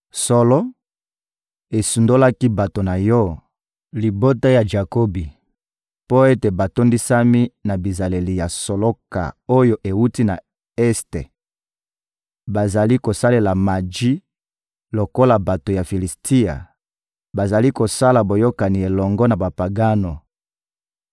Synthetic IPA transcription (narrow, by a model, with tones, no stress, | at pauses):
sɔ˦lɔ˦ | e˨su˨ndo˦la˦ki˦ba˨to˨na˨jɔ˦ | li˨bo˦ta˦ja˨d͡ʒa˨ko˦bi˨ | po˦e˦te˨ba˨to˦ndi˦sa˦mi˦na˨bi˨za˨le˨li˨ja˨so˨lo˦ka̰˨o˦jo˦ʔe˨wu˦ti˦na̰˨ | ɛ˦stḛ˨ | ba˨za˨li˦ko˨sa˦le˨la˨ma˨d͡ʒi˦ | lo˨ko˦la˨ba˨to˨ja˨fi˨li˨stʰi˦a̰˨ | ba˨za˨li˦ko˨sa˦la˨bo˨jo˦ka˨ni˨e˨lɔ˨ŋɡɔ˦na˨ba˨pa˨ɡa˦no˨